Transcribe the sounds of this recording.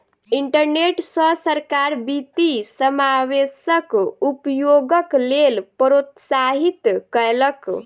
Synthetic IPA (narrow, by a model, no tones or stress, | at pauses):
iɳʈəɾneʈsə̃səɾkaɾbit̪isəmawesəkupjoɡəklelpɾot̪saɦit̪kəelək